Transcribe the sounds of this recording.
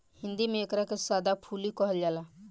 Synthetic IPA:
hɪ̃nd̪imẽːkɾakesaːd̪apʰuːlikɔɦəld͡ʒaːlaː

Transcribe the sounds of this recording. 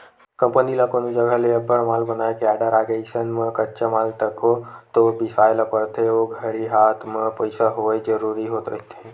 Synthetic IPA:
kə̃mpənilakonod͡ʒəɡʱəleəbəɽmaːlbənaːekaːɖəɾaːɡeisənmə̃kət͡ʃamaːlt̪əkot̪obɪsaːləpəɾt̪eoɡʱəɾiɦaːt̪ʰmẽpəɪsaɦoed͡ʒəɾuːɾiɦoːt̪ɾə̰ɦt̪ɛ̃

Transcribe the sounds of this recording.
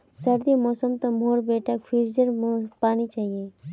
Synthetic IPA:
sɐɾd̪imɔːsəmt̪ɐmoːɾbeːʈakfʰiɾd͡ʒəɾmpaːnit͡ʃaːɦieː

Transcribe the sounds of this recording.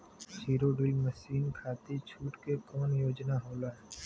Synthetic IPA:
t͡ʃiːɾoɖilməʃiːnkʰaːt̪it͡ʃʰuːʈkekɔːnjoːd͡ʒnaɦoːlaɦɛː

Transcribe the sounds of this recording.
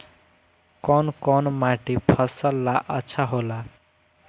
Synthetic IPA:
kʌnkɔnmaʈepʰʌsʌlːaʔʌt͡sʰaɦola

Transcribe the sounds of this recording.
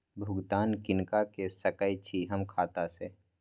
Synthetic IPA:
bʱʊɡd̪aːnkɪnkakesəkəjt͡ʃʰiɦɐmkʰaːt̪aseː

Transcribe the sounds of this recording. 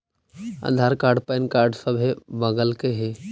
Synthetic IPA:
a̰d̪ʱaːɾkaːɾɖpɛɪnkaːɾɖsəbʱebəɡəlkeɦe

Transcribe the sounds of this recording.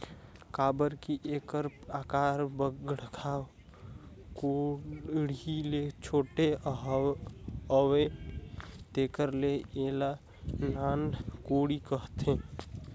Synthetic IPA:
kaːbəɾkiʔekəɾpaːkaːɾbəɡɽ̤ɡʰʱaw | ko | ɽilet͡ʃʰoːʈe | əwe | t̪eːkəɾleeːla | naːnkoɽikəɦt̪ẽ

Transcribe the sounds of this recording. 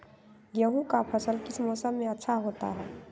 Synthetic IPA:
jəɦũkapʰəsəlkɪsmoːsəmːẽɐtːʃʰaɦoːt̪a̰ɦɛː

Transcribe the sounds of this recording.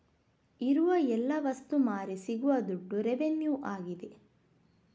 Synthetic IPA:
iɾuʋɐɛlːɐʋɐst̪umaːɾisiɡuʋɐd̪uɖːuɾeʋenjuːʔaːɡid̪e

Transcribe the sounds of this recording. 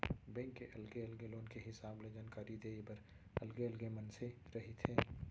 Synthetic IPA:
bɛ̃ːŋkːeʔɐlɡeəlɡeloːnkeɦɪsaːbled͡ʒaːnkaːɾid̪eːbɐɾ | ɐlɡeəlɡemənseɾɐɦit̪ʰeː

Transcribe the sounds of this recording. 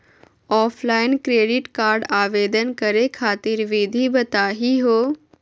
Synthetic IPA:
ɔːpʰlaːɪnkɾeːɖɪʈkaːɾɖaːʋeːd̪ənkəɾekʰaːt̪ɪɾʋɪd̪ʱibɐt̪aːɦiɦoː

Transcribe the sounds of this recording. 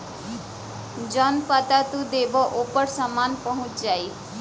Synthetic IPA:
d͡ʒɔnpət̪at̪ũd̪eːbɔʔopəɽsamaːnpəɦʊ̃t͡ʃd͡ʒaːi

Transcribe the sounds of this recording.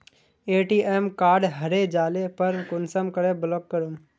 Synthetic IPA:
eːʈiːʔemkaːɾɖɦəɾed͡ʒaːlepəɾkʊnsəmkəɾeblɔːkːəɾum

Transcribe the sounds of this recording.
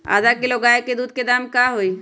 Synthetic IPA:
a̰ːd̪akeloɡaeked̪uːd̪̚ked̪aːmkaɦoi

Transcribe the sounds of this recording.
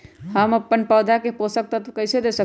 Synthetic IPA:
həməpːənpəd̪ʱakeposək̚t̪ət̪ʰkəjsed̪esə

